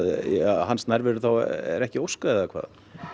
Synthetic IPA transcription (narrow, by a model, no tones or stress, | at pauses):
ðɦansnaɾvɪɾʏθawɛ̰ɾɛhcɪowskaðakʰva̰ːð